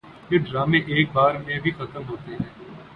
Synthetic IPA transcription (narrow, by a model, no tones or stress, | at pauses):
pɪɖɾaːmẽʔeːk̚baːɾmẽbʱixɐt̪əmɦoːt̪eɦɛ̃ː